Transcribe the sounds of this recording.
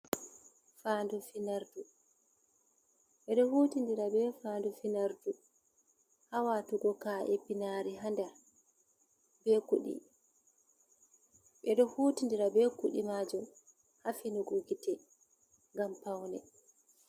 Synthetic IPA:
fandufinaɾdu | ɓɛɗɔhutindiɾabɛfaːndufinaɾdu | hawatuɡɔkaʔɛpinaɾiɦanda | bɛkṵɗḭ | ɓɛɗɔhutindiɾabɛkuɗḭmad͡ʒɔ | hafinuɡuɡitɛ | ŋɡampawnɛ̰

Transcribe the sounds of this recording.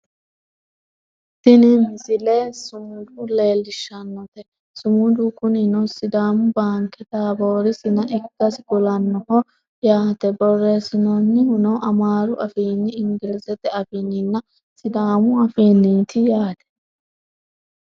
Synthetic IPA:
t̪ɪnɪmɪsɪlesʊmʊd̪uleːlːɪʃːɐnːɔt̪ɛ | sʊmʊd̪ukʊnɪnɔsɪd̪aːmʊbaːŋkɛd̪aːboːɾɪsɪnɐʔɪkːɐsɪɡʊlɐnːɔhɔ | jaːt̪ɛbɔrːesɪnɔnːɪhʊnɔʔɐmaːɾʊʔɐfiːnːɪɪŋɡɪlɪsɛt̪ɛɐfɪnɪnːɐ | sɪd̪aːmʊɐfiːnːiːt̪ɪjaːt̪ɛ̥

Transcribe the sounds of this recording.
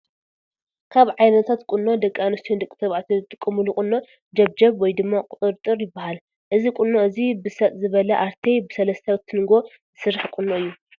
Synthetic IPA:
kʰaβʕajnɐt̪ʰat̪kʼunːo̞d̪ɐkʼːanɐst̪ʰond̪ɨkʼːɨt̪ʰɐβʕat̪ʰiɨt̪ʼɨkʼːɨmulukʼʊnːo̞ | d͡ʒɐβd͡ʒɐβwɔjd̪ɨmːakʼʊt̪ʼɨɾt̪ʼɨɾjɪbːahal | ʔɨzikʼunːo̞ɨzibɨsɐt̪ʼzɨβɐlɐʔaɾt̪ʰebɨsɐlɐst̪ʰɐwɨt̪ʰːɨnɡo̞ | zɨsɨɾːaħkʼunːoɨjːu

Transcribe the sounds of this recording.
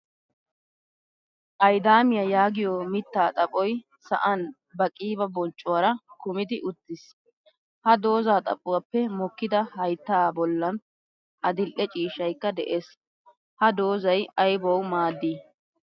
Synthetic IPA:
ʔɐjd̪aːmɪjɐjaːɡɪjɔmɪt̪ːaːt̪ʼɐpʼɔj | sɐ̰ʔɐn | bɐkʼiːbɐbɔnt͡ʃʼːʊwɐɾɐkʊmɪd̪ɪʔʊt̪ːɪs | hɐd̪o̞ːzaːt̪ʼɐ̰pʼʊwɐpːɛmɔkːɪd̪ɐhɐjt̪ːaːbɔlːɐn | ɐd̪ɪlʔɛt͡ʃʼiːʃɐjkːɐd̪ɛʔe̞ːs | hɐd̪o̞ːzɐjɐjbɔwmaːd̪ːiː

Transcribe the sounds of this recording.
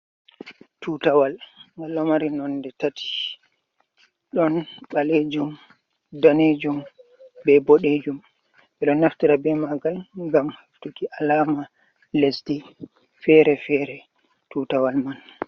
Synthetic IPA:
tutawalŋɡalːɔmaɾinɔndɛtatʰi̥ | ɗɔnɓaled͡ʒum | daned͡ʒum | bɛboɗed͡ʒum | ɓɛɗɔnːaftiɾabɛmaɡalŋɡamhaftukiʔalaːma | lesdi | fɛɾɛfɛɾɛ | tuːtawalman

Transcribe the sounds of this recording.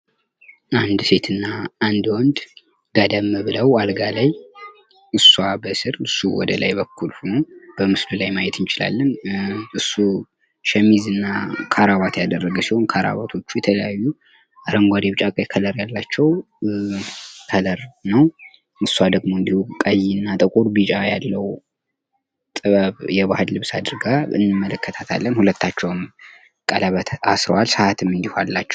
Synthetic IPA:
ʔand̪se̞t̪ʰɨnːaand̪wɔnd̪ | ɡad̪əmːɨβɨləwalɡalaj | ʔɨsːuabəsɨɾɨsːuwɔ̰d̪əla̰jbəkʰːulhunob̥əmɨslulajmajɛt̪ɨnt͡ʃɪla̰lːənʔɨsːu | ʃɛmːizɨnːakʰaɾaβat̪jad̪ərːəɡəsiho̞nkʰaɾa̰βat̪ʰo̞t͡ʃːujɛt̪ʰələjajːu | aɾəŋɡʷad̪eβt͡ʃʼakʼəjkʰələɾjalːat͡ʃːɛw | kʰələɾnəw | ɨsːuwad̪əɡmoɨnd̪ihukʼajːiɨnːat̪ʼəkʼuɾbɨt͡ʃʼajalːəw | t̪ʼɨβəβjɛβahɨllɨβsad̪ɨɾɡaɨ̰nːɨmːələkʰːət̪ʰat̪ʰalːənhulət̪ːat͡ʃːɛwm | kʼalaβat̪ʰasɾəwalsəat̪ʰɨmːɨnd̪ihalːat͡ʃːɛw

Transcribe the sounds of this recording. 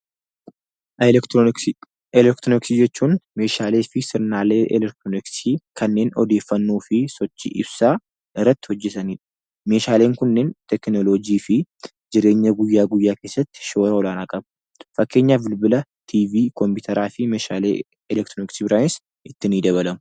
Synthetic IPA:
ɛlɛkt̪ɾɔnɪksiːd͡ʒɛt͡ʃːuːnme̞ːʃaːle̞ːfɪsɪɾnaːleːʔɛlɛkt̪ɾonksiːkʰɐnːe̞ːnɔ̰d̪e̞ːfːɐnːuːfɪsɔt͡ʃːḭːʔɪbsaː | ʔɪrːɐt̪ːɪ̥hɔd͡ʒːɛt̪ɐniːᶑɐ̥ | me̞ːʃaːle̞ːŋkʊnːeːnt̪ɛknɔloːd͡ʒiːfɪ | d͡ʒɪɾe̞ːɲːɐɡʊjːaːɡʊjːaːke̞ːsːɐt̪ːɪ̥ʃo̞ːɾɐɔlaːnakʼɐb | fɐkːe̞ːɲːaːbɪlbɪlɐt̪ʰiːviːkɔmpɪt̪ʰɐɾaːfɪmeːʃaːlḛ | ɛlɛkt̪ɾɔnɪksibɪɾaːjns | ɪt̪ːɪniːd̪ɐβɐlɐmʊ

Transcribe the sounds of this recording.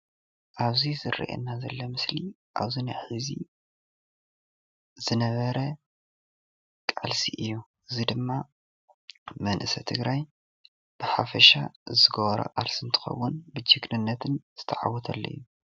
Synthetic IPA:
ʔaβzizɨrḭʔḛnːazɐlːɐmɨsli | ʔa̰βzinaħizḭ | zɨnɐβɐɾɐ | kʼa̰lsiʔɨjːu | ɨzid̪ɨmːa | mɐnʔɨsɐt̪ʰɨɡɾaj | b̥ɨħafɐʃazɨɡoβɾɐ̰ʔʼaɾsɨnt̪ʰɨ̥xɐ̰wːʊnbɨd͡ʒɨɡnɨnːɐt̪ʰɨnz̥ɨt̪ʰɐʕa̰wɔt̪ʰɐ̰lːɐ̰jːu

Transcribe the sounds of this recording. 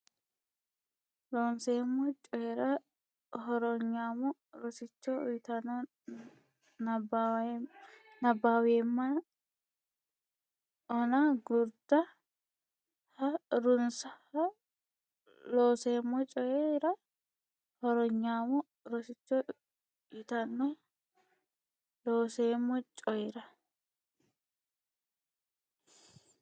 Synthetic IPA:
loːnseːmːɔt͡ʃʼɔjɛɾɐ | hɔɾɔɲːaːmɔɾɔsɪt͡ʃːɔ̰jt̪ɐnɔ | nɐ | nɐbːaːweːmːɐ | ɔnɐɡʊɾd̪ɐ | hɐɾʊnsɐhɐ | loːseːmːɔt͡ʃʼɔjeɾɐ | hɔɾɔɲːaːmɔ | ɾɔsɪt͡ʃːɔ | ɪt̪ɐnːɔ | loːseːmːɔt͡ʃʼɔjɛɾɐ

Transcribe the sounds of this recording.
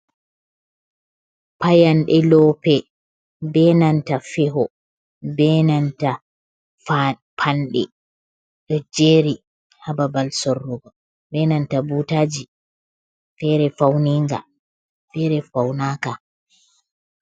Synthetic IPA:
pajanɗɛlɔpɛ | bɛnantafɛɦɔ | bɛnanta | pʰanɗɛ̰ | ɗɔd͡ʒeːɾi | hababalsɔrːuɡɔ | bɛnantabutad͡ʒi | fɛɾɛfawniŋɡa̰ | fɛɾɛfawnaːka

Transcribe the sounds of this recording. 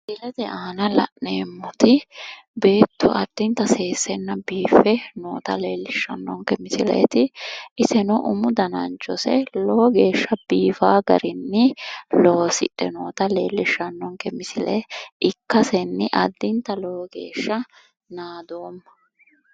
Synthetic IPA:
dɪlɛt̪ɛʔaːnɐlɐ̰ʔneːmːʊt̪ɪ | be̞ːt̪ːɔɐd̪̥ːɪnt̪ːɐseːsːɛnːɐbiːfɛnoːt̪ɐleːlːɪʃːɐnːɔŋkɛmɪsɪlɛ̰t̪ɪʔɪsɛnɔʔʊmʊd̪ɐnɐ̰nt͡ʃːɔsɛloːɡeːʃːɐbiːfaːɡɐ̰ɾɪnːɪloːsɪ̰ᶑːɛ̰noːt̪ɐleːlːɪʃːɐnːɔŋkɛmɪsɪlɛɪkːɐsɛnːɪʔɐd̪ːɪnt̪ɐloːɡe̞̰ːʃːɐ | naːd̪oːmːɐ

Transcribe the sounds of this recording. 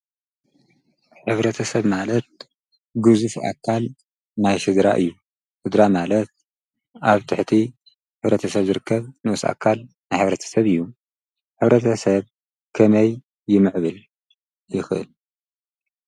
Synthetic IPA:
ħɨβɾɐt̪ʰɐsɐβmalɐt̪̚ | ɡɨzufa̰kʰːal | najʃɨd̪ɾa̰ʔɨ̰jːu | ʃɨd̪ɾamalɐt̪̚ | aβt̪ʰɨħt̪ʰi | ħɨβɾɐt̪ʰɐsɐβzɨɾɨkʰːɐβnuʔɨsa̰kʰːal | najħɨβɾɐt̪ʰɐ̥sɐβɨjːu | ħɨβɾɐt̪ʰɐsɐβ | kʰɐmɐjː | ɪmɨʕβɨl | jɪxɨʔɨ̰l

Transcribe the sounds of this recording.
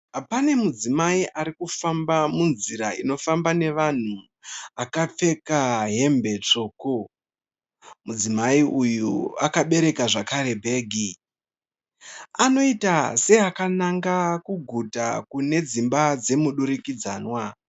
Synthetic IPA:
pane̞mud͡zimaiʔaɾikufambamunziɾaino̞fambane̞ʋan̤u | akap͡fe̞kaɦe̞mbe̞t͡ʂo̞ːko | mud͡zimaiʔujuakaɓe̞ɾe̞kaʐakaɾe̞bʱe̞ːɡʱi | ano̞itase̞akanaŋɡakuɡʱutakune̞d͡zimbad͡ze̞muɗuɾikid͡za̰ːnwa

